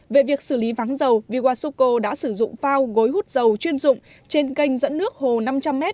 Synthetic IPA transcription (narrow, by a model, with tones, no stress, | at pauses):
ve˨˩vi˨˩ək̚sɨ˧˩li˨˦vaː˨˦ŋzə˨˩wvi˨˩ɣwaː˧˩so˧ko˧ɗa̰ː˧˥sɨ˧˩zʊ̰˧˨ŋ͡mfaː˧wɣo˨˦jɦu˦˥t̚zə˨˩wt͡ɕwi˧ənzʊ̰˧˨ŋ͡m | t͡ɕe˧nkə˧jŋ̟zə̰˧˥nːɨ˦˥ək̚ho˨˩na˧mt͡ɕa˧mːɛ˦˥t̚